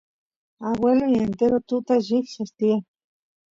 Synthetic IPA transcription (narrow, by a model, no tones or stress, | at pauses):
aβweloient̪eɾot̪ut̪aʒiksast̪ia